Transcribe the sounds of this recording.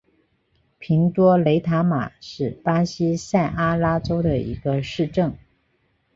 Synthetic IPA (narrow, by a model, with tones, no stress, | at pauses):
pʰi˧˥ŋt̪wɔ˥le˧˥ɪt̪ʰa˧˥ma̰˨˩ʂɻ̩˥˩pa˥ɕi˥sa˥˩ɪʔa˥la˥ʈ͡ʂo˥ʊd̪ə˨ḭ˧˥ɡə˧ʂɻ̩˥˧ʈ͡ʂɤ˥˩ŋ